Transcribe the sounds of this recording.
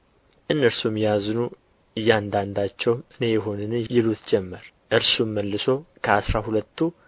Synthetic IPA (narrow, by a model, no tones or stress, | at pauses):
ʔɨnːəɾsumjɛjaznu | ɨjːand̪and̪at͡ʃːɛwʔɨne̞jɛɦo̞nɨnɨjɪlut̪d͡ʒɛmːəɾ | ʔɨɾsumːəlːɨso̞kʰəasɾahulət̪ʰːu